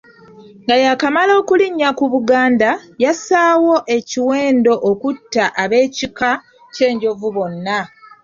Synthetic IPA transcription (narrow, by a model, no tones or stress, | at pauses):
ŋɡajakamalo̞ːkuliɲːakuβuɡaːndajasaːwo̞ʔe̞ciwe̞ːndo̞ʔokutːaʔaβe̞ːcika | ce̞ːɲɟo̞vuβo̞nːa